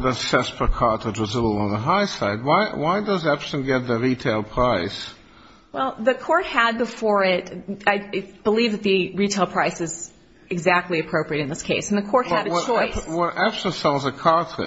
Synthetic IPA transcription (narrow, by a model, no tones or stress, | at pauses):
ðəz̥sɛspʰə˞kʰɑtʰɹɨd͡ʒəzɪɾ̩ˠə̃nðəɦaɪsaɪd̚waɪwaɪdʌzæb̥sɨ̃nɡɛt̪̚ðɨɹitʰeɪlˠpʰɹ̥aɪs | wɛlˠðɨkʰɔɹt̚həd̚bəfɔɹɪtaɪb̥əlivðɨt̪̚ðɨɹitʰeɪlˠpʰɹ̥aɪsɨz | ɨɡzæk̚tˡliɨpʰɹ̥oʊpɹiɨɾɨ̃nðɪskʰeɪsn̩ðɨkʰɔɹt̚həɾɨt͡ʃʰɔɪswə̃nʔæb̥sə̃nsɛlˠzəkʰɑɹtʰɹɨ̰